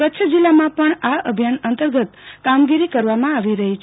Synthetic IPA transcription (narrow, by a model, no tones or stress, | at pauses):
kətːʃʰəd͡ʒilːamãpəɳaəbʱjanənt̪əɾɡət̪kamɡiɾikəɾʋamãaʋiɾəɦit͡ʃʰ